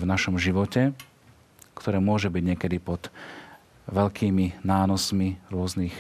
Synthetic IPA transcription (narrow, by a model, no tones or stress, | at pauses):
vnaʃɔmʒiʋɔcɛ | kt̪ʰɔɾɛːmʊɔʒɛbiɟɲɛkɛd̪ipɔd̪ | ʋɛʎkʰiːminaːnɔsmiɾʊɔznix